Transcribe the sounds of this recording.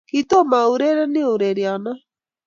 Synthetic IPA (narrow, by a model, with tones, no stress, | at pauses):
kito˦ma˨o˨ɾe˦ɾa˦ne˦o˨ɾe˨ɾea˨na˦